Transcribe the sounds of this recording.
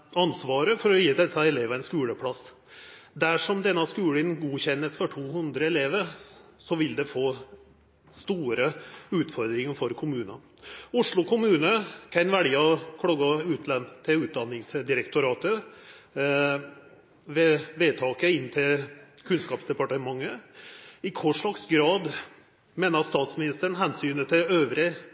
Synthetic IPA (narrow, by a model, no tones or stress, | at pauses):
ɑnsʋɑːɾəfɔɾɔjiːd̪ɛsɑɛleːʋəɪnskʉːləpʰɽɑs | d̪æʂɔmd̪ɛnːɑskʉːlɪnɡuːçɛnːəsfɔʈʰuːhʉnd̪ɾəɛleːʋəɾsɔʋɪld̪ɛfoː | st̪uːɾəʉːt̪fɔɾd̪ɾɪŋəfɔɾkʰʊmʉːnɑ | ʊʂɭʊkʰʊmʉːnəkʰɛɪnʋæɽiɑkʰɽɑɡɑʉːt̪ʰlɛnt̪ʰɪʉːt̪̚d̪ɑnːɪŋsd̪ɪɾɛkt̪ʊɾɑːt̪ə | ʋɛʋeːt̪ʰɑːkəɪnːt̪ʰɪlkʰʉnskɑːpsd̪ɛpɑʈəmɑŋːə | ɪkʰɔʂɭɑksɡɾɑːd̪ | meːnəɾt̪st̪ɑːt̪smɪnɪst̪əɳ̩ɦɛnsyːnət̪ʰɪøːʋɾə